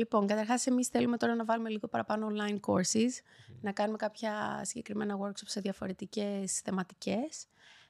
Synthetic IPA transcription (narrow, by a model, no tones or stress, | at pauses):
lipo̞ŋkɐt̪ɐɾxɐse̞misθe̞lumet̪o̞ɾɐnɐvɐlume̞liɣo̞pɐɾɐpɐnoonlɐinko̞ɾsis | nɐkɐnume̞kɐpçɐsiɲɟe̞kɾime̞nɐɣo̞ɾkso̞pse̞ðjɐfo̞ɾe̞t̪ice̞sθe̞mɐt̪i̥ce̞s